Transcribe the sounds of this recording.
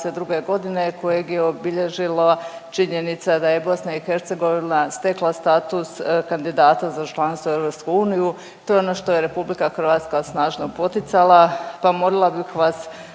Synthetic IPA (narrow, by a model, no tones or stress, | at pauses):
sed̪ɾuɡe̞ɡo̞d̪ine̞ko̞jeɡjeobiʎe̞ʒilat͡ʃiɲe̞nit̪sad̪aje̞bo̞snaixe̞ɾt̪se̞ɡo̞ʋinast̪e̞klˠast̪aːt̪uskand̪id̪aːt̪azat͡ʃlˠanst̪oevɾopskuuːniju | t̪o̞jeo̞no̞ʃt̪o̞jeɾe̞publikaxrʋaːt̪skasnaːʒno̞po̞t̪it̪salˠapamo̞lilˠabixʋas